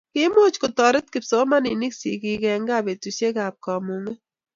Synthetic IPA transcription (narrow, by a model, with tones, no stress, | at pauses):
kɪ˦mo˦t͡ʃko˨tɔ˨ɾɪ˦t̚kɪ˨pso˦ma˦ni˨ni˦ksi˨ki˧kɛ˧ŋɡa˨be˨tu˨se˦ka˨p̚ka˨mu˨ŋe˦